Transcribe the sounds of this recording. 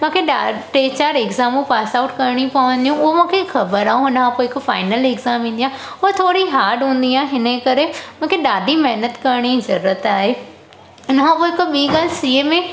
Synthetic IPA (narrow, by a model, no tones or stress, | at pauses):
mʊ̃ːkʰeɗaʈeːt͡ɕaːɾeɡzaːmũpaːsaːʊʈkɐɾɽ̃iũpɐʋə̃nd̪ijũʊɦomũːkʰexɐbəɾaːɦũʊnəkʰãpoːɪkofaːɪnəleɡzaːmĩːnd̪ijã | ɔːt̪ʰoːɾiɦaːɾɖɦũːn̆d̪iãːɦɪnəkɐɾemʊ̃ːkʰeɗaːɖʱimɐɦnət̪kɐɾɽ̃izɐɾːət̪aːɦeː | ʊnəkʰãpoːɪkoɓiːɡaːlsiːemẽ